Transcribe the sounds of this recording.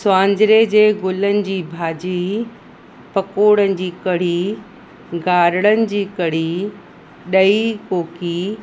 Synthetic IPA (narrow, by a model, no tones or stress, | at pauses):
sʊãːɲd͡ʑɾed͡ʑeːɡʊlənɪ̆d͡ʑiːbʱaːd͡ʑi | pɐkoːɽənɪ̆d͡ʑiːkɐɽ̤i | ɡaːɾɪɽ̃ənɪ̆d͡ʑiːkɐɽ̤i | ɗɐikoːki